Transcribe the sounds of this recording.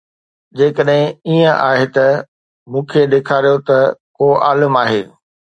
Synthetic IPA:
d͡ʑeːkəɗɦɪ̃iːə̃ʔa̰ːɦet̪ɐ | mũːkʰeɗ̪eːkʰaːɾijot̪ɐkoːʔa̰ːləmaːɦeː

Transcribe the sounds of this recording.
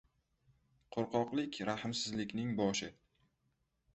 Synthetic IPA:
qʰoɾqɒqlˠɪkʲɾahɪmsɪzlɪkʲnɪŋbɒʃɪ

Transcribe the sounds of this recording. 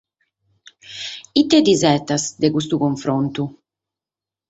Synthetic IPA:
it̪ːɛd̪izɛt̪asd̪ɛkus̬t̪ukoɱfɾont̪u

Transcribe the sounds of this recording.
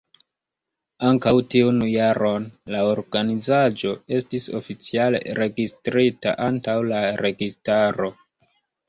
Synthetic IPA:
aŋkawtiunjaɾo̞nlaoɾɡanizad͡ʒo̞e̞stiso̞̰fit͡siale̞̰ɾe̞ɡistɾita̰ʔantawlaɾe̞ɡistaɾo̞

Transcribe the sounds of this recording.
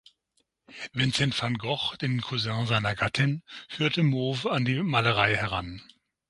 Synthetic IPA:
vɪnt͡sɛntfanɡɔχd̥eːnkʰuzɛ̃ɐzaɪnɐɡatʰɪnfyːɐtəmoːvandiːmaːləʁ̞aɪhɛʁ̞an

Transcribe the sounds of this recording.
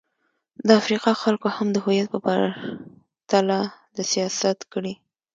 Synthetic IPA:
d̪əafɾiqɑxalkohamd̪əɦʊjat̪̚pəba̰ɾ | t̪alad̪əsijɑsat̪kəɽi

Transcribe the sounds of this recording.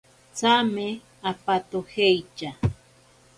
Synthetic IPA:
t͡same | apat̪ohejt͡ʃa

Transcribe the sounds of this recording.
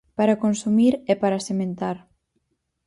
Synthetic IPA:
paɾakonsumiɾɛpaɾasemẽnt̪aɾ

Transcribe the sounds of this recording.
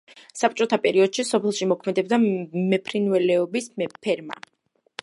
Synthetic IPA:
sap̚t͡ʃʼɔt̪ʰapʼɛɾiɔd̪̥ʃisɔpʰɛlˠʃimɔkʰmɛd̪ɛb̚d̪amɛpʰɾinvɛlɛɔbispʰɛɾma̰

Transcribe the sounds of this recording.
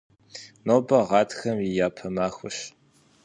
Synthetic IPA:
noːbɐʁɑːtxɐmjɪjaːpʰɐmaːxʷʊɕ

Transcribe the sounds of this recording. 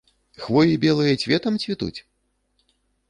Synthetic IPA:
xvɔjʲibʲɛlˠɨjɐt͡sʲvʲɛt̪ɐmt͡sʲvʲit̪ṵt͡sʲ

